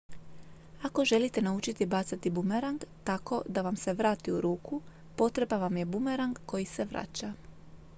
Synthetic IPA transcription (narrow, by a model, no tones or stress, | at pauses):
ako̞ʒe̞lit̪e̞naut͡ʃit̪ibat̪sat̪ibumeɾaŋɡt̪ako̞d̪aʋamse̞ʋɾaːt̪iuɾuːkʰu | po̞t̪ɾe̞baʋamje̞bumeɾaŋɡko̞jise̞ʋɾa̰t͡ɕa